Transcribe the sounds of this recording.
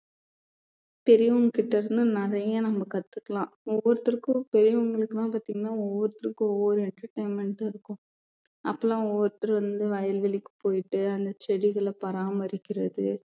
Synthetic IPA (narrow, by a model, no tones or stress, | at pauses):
pɛɾɪʋʊŋɡɐkɪʈːɐɾɯnd̪ɯnɪɾɐjɐnɐmbɐkɐt̪ːɯkːɐɭãːɔʋːɔɾɐt̪ːɐɾkːɯpɛɾɪʋʊŋɡɐɭɯkːɯnãːpaːt̪iːŋɡɐnːaːɔʋːɔɾɯt̪ːɪɾɯkːɯɔʋɔɾɯɛɳʈɐɾʈɐɪmɛɳʈːɪɾɯkːʊ̃ | ʔɐpːɐlãːɔʋːɔɾɯt̪ːɐɾʋɐnd̪ɯʋɐjɐlʋɛɭɪkːɯ̥poːjɪʈːɯɐnd̪ɐt͡ʃɛɽɪɣɐɭɐpɐɾaːmɐɾɪkːɪɾɐðɯ